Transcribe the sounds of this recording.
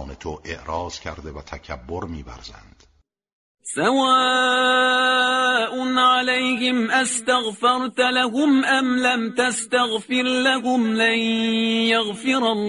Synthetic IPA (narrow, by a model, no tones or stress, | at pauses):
net̪ʰoʔeʔɾɑːz̥cʰæɾd̪evæt̪ʰækʰæbːoɾmiːvæ̰ɾzæ̰nd̪̥ | sawaː | ʔʊnʕalajhɪmʔast̪aɣfɑɾˤt̪alahʊmʔamlamt̪ast̪aɣfɪɾlahʊmlanjaɣfɪɾalː